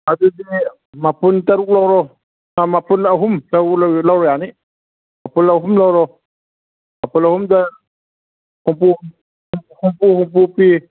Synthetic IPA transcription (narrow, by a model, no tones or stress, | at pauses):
adudi | mapuntaɾuk̚lawɾɔ | namapunaɦumtalawɾɔjani | mapunlawɦumlawɾɔ | mapunahumda | humpu | humpuhumpupi